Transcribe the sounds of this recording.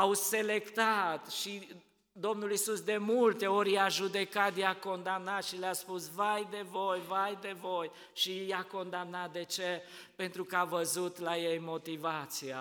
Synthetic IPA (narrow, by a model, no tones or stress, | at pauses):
awse̞le̞kt̪at̪ʃi | d̪o̞mnulisusd̪e̞mult̪e̞o̞ɾʲjaʒud̪e̞kat̪jako̞nd̪amnat̪ʃileaspusvajd̪e̞vo̞jvajd̪e̞vo̞j | ʃijako̞nd̪amnat̪̚d̪e̞t͡ʃe̞ | pe̞nt̪ɾukəavəzut̪lajejmo̞t̪ivat̪sia